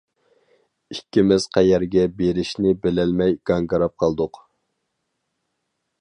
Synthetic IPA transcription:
ikʲːimɪz̥qʰæjɛɾɡʲɛbeɾɪʃnɪbɪlɛlmɛjɡ̥ɑŋɡɑɾɑp̚qʰɑlˠd̪ʊq

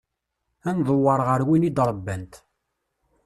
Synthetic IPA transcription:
ænðˤowːɑɾˤʁəɾwinid̪ɾˤəbːænt̪

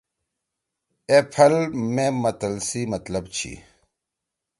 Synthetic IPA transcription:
epʰɐlmẽmɐt̪əlsimɐt̪ləbt͡ɕʰḭ

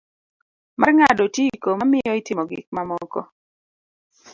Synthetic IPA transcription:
mʔarŋadɔtjiikomamɪɔɪtɪmɔɡɪ̰k̚mamɔkɔ

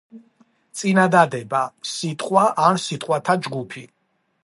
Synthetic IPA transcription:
t̪sʼinad̪ad̪ɛbasit̪ʼχqʼwaʔansit̪ʼqʼwat̪ʰad͡ʒɡupʰi

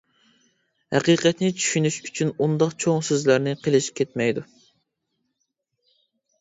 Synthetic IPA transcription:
hæ̰qiːqʰɛt̪nɪt͡ʃʰy̥ʃynyʃy̥t͡ʃʰynund̪ɑqt͡ʃʰoŋsøzlæɾnɪqʰəlˠɪʃi̥p̚ʲkʰʲet̪mɛjd̪u

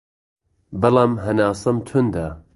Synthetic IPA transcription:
bɐlˠaːmɦɐnaːsɨmt̪ʰʊnd̪a

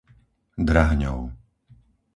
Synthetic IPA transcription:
d̪ɾaɦɲɔ̰ʊ

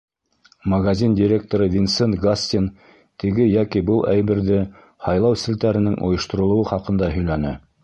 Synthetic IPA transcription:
mɐɡazʲindʲɪɾʲek̚t̪oɾɤvʲinsont̪ɡasʲt̪ʲin | t̪ʰɘ̆ɡɘjækibɤlˠʔæjβɘ̆ɾðɘ | hɑjlˠɑwsɘ̆lt̪æɾɘ̆nɘŋʔŏ̰jɤ̆ʃt̪ŏɾŏlˠŏwɤχɑqɤ̆nd̪ɑɦɵ̆jlænɘ

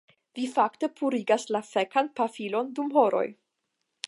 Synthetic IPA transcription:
vifakte̞pʰuɾiɡaslafekanpafilo̞ndumɦo̞ɾo̞̰j

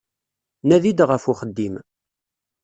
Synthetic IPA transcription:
næðid̪ʁəfuχəd̪ːim

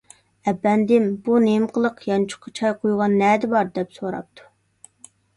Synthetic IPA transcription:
ɛbːɛnd̪ɪmb̥unemqʰəlˠəqjɑnt͡ʃʰʊ̥qʰːɑt͡ʃʰɑjqʰojʁɑnːɛːd̪ɪbɑɾd̪ɛpsoɾɑ̰p̚t̪ʰu̥

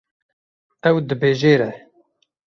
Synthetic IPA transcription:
ɛwd̪ɨbeːʒeːɾɛ

